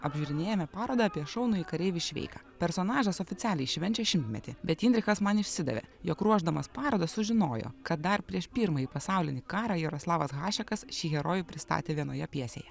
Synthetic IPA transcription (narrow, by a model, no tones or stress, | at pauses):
ɐbʲʒʲʊɾʲɪnʲeːjɛmʲɛpɑːɾoːd̪ɐːpʲiɛʃɒʊnʊikɐɾʲeːʋʲɪʃʲʋʲɛ̰ɪkɑːpʲɛɾsonɑːʒɐsɔːfʲɪt̪sʲæːlʲɛɪʃʲʋʲɛnʲt͡ʃʲɛʃʲɪmʲt̪ʲmʲɛ̰t̪ʲɪbʲɛt̪inʲd̪ʲɾʲɪxɐsmɐnɪʃʲsʲɪd̪ɐ̰ʋʲḛjokɾuɔʒd̪ɐmɐspɑːɾoːd̪ɐssʊʒʲɪnoːjo̰kɐt̪̚d̪ɐɾpʲɾʲiɛʃpʲiːɾmɐjiːpɐsɑˑʊlʲɪnʲiːkɑːɾɑjɛɾoslˠɑːʋɐsɣɑːʃʲɛkɐsʃʲiːɣʲɛɾoːjʊpʲɾʲɪst̪ɑ̰ːt̪ʲeːʋʲiɛnoːjɛpʲiɛsʲḛːjɛ